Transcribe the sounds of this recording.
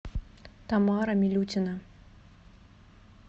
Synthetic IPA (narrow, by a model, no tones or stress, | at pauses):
t̪amɑɾɐmʲilʲut͡sʲinɐ